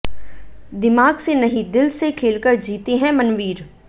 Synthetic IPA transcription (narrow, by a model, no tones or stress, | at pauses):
d̪ɪmaːɡsenɐɦĩd̪ɪlsekʰeːlkəɾd͡ʒiːt̪eɦɛ̃mɐnʋiːɾ